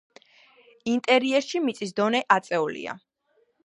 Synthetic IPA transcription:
int̪ʼɛɾiɛɾʃimit̪sʼisd̪ɔnɛʔat̪sʼɛulḭa̰

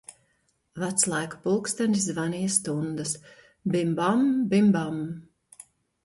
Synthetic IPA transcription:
vat̪slˠajku̥pulˠkst̪anszvanijast̪und̪as | bimbambimbam

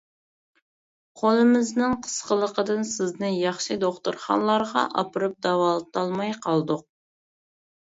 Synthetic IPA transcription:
qʰolˠɨmɪznɪŋqʰə̥sqəlˠəqəd̪ɨnsɪznɪjɑχʃɨd̪oχt̪uɾχɑ̰nlˠɑɾʁɑ̰ʔɑ̰pɨɾɨp̚d̪ɑwɑlˠɨt̪ɑlˠmɑjqʰɑlˠd̪ʊq̚

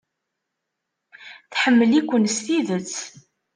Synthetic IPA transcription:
θħəmːəlikʷːənsθiðət͡sː

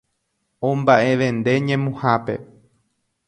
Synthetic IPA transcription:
õmbaʔe̞ʋẽ̞nd̪e̞ɲẽmũhape̞

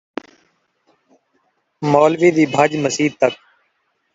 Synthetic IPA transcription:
moːlʋiːd̪iːbʱəd͡ʒməsiːt̪ək̚

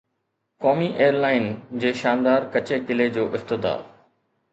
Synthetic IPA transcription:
kɔːmiʔeːəɾlaːɪnd͡ʑeːʃaːnd̪aːɾkɐt͡ɕekɪled͡ʑoːʔɪft̪ɪd̪a̰ːɾ

